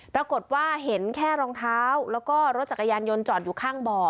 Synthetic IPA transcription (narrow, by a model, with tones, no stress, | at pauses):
pɾa˧ko˨˩t̪̚waː˥˩ɦe˩˦nkʰɛː˥˩ɾɔː˧ŋt̪ʰaː˦˥˦wlɛː˦˥wkɔː˥˩ɾo˦˥t̪̚t͡ɕa˨˩ka˧jaː˧njo˧nt͡ɕɔː˨˩t̪̚juː˨˩kʰaː˥˩ŋbɔː˨˩